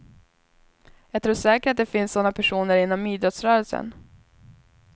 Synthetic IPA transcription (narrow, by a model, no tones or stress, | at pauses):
jɑːɡt̪ʰɾuːʂɛːkəɾʈat̪̚d̪ɛfɪnsːɔnːapʰæʂuːnəɾɪnːɔmːiːd̪ɾɔt̪sɾœːɾəlsə̰n